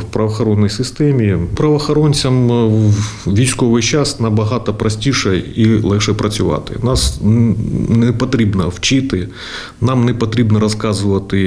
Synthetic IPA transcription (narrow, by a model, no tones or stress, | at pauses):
wpɾɐʋɐxɔɾɔnːɔjsɪst̪ɛmʲipɾɐʋɐxɐɾɔnʲt͡sʲɐm | ʋʲijsʲkɔʋɪjt͡ʃɑsnɐbɐɦɑt̪ɐpɾɐsʲtʲiʃɛilˠɛxʃɛpɾɐt͡sʲʊʋɑ̰t̪ɪ̰nɑs | nɛpɐt̪ɾʲibnɐwt͡ʃɪt̪ɪ | nɑmnɛpɐt̪ɾʲibnɐɾɐskɑzʊʋɐt̪ɪ